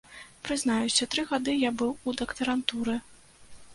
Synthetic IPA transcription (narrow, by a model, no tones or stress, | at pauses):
pɾɨznajusʲɐt̪ɾɨɣad̪ɨjabɨwud̪ɐkt̪ɐɾant̪uɾɨ